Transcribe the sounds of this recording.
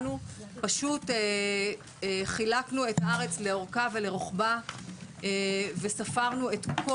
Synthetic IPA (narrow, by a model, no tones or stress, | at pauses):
nupaʃute | χilaknue̞taʁe̞t͡sle̞oʁkavele̞ʁoχba | evesafaʁnue̞tkkʰo